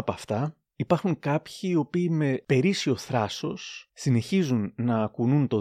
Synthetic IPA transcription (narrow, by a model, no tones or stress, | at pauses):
pɐft̪ɐ | ipɐɾxuŋkɐpçiːo̞piːme̞pe̞ɾisio̞θɾɐso̞sːine̞çizunnɐːkununt̪o̞